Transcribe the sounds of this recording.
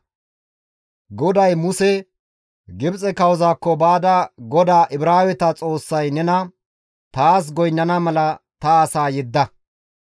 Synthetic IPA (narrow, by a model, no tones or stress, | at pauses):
ɡɔd̪ɐjmʊsɛ | ɡɪbt͡sʼɛkɐwzaːkːɔbaːd̪ɐɡɔd̪aːʔɪbɾaːwɛt̪ɐt͡sʼo̞ːsːɐjnɛnɐ | t̪aːs̬ɡɔjnːɐnɐmɐlɐt̪ɐːsaːjɛd̪ːɐ